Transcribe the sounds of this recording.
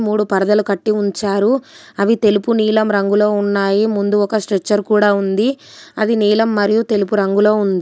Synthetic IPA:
muːɽupɐɾɐd̪ɐlukɐʈːiuɲt͡ʃaːɾu | ɐʋit̪e̞lupuniːlɐmɾɐŋɡulo̞ːunːaːjimund̪uɔkɐsʈɾet͡ʃːɐɾkuːɽaːund̪i | ɐd̪iniːlɐmːɐɾijut̪e̞lupuɾɐŋɡulo̞ːund̪i

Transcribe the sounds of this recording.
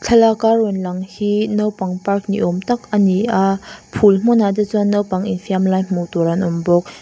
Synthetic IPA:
t͡ɬʰɐlakarɔnlɐŋhinowpaŋpark̚nḭʔɔmt̪ak̚aniʔapʰulm̥unadət͡sunowpaŋinfiamlajm̥uwtɔɾanɔmbɔk̚

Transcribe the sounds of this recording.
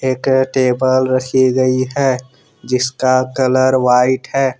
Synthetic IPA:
eːkʈeːbəlɾɐkʰiɡɐiɦɛː | d͡ʒɪskakɐləɾwaːɪʈɦɛː

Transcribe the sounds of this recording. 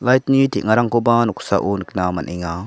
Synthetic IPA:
lajt̪nitiʔŋaɾaŋkobanuksa̰ʔunɯknamanʔiŋa

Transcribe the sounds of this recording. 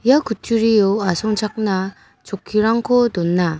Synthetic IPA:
jakut͡ɕuɾioasʰoŋt͡ɕʰak̚na | t͡ɕokʰːiɾaŋkʰodonːa

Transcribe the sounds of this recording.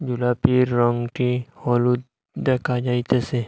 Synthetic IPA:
d͡ʒulapiɾːɔŋɡʈihɔlu | d̪ekad͡ʒaːit̪ese

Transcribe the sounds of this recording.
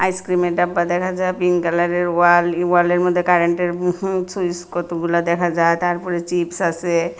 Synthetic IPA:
ajskɾimeʈabːad̪ɛkʰad͡ʒajpiŋkalaɾeɾalwaleɾmɔd̪ʱːjekaɾeɳʈeɾsujskɔt̪uɡulad̪ɛkʰad͡ʒajt̪aɾpɔɾet͡ʃipsase

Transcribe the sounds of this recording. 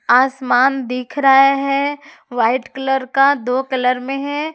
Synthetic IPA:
aːsmaːnd̪iːkʰɾaaɦɛ | ʋaːɪʈkɐləɾkad̪oːkɐləɾmẽɦɛ̃

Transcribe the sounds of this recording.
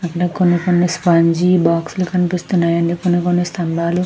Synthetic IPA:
ɐkːɐɽɐkonːikonːispɐɲd͡ʒibaːksulukɐnipist̪unːaːjɐnɖikonːikonːist̪ɐmbaːlu

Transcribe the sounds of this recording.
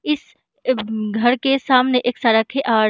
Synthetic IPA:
ɪs | ɡʱɐɾkesaːmneʔeːksaɾakʰeʔaːɾ

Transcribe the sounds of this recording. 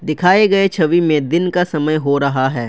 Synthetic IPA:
d̪ɪkʰaːeɡɐet͡ʃʰɐʋimẽd̪ɪnkasɐməjɦoɾɐɦaɦɛː

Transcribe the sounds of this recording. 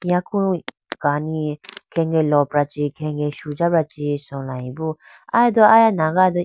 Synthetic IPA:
ĩãkʰu | ɡ̥anikʰɛŋɡɛlɔpɾat͡ʃikʰɛŋɡɛʃud͡ʒapɾat͡ʃisɔlaĩbu | ajad̪ɔajanaɡad̪ɔ

